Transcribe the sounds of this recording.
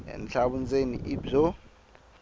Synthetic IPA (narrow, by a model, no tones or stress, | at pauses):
ɛ̰nɬaɓund͡zʱenḭʔib͡ʐɔ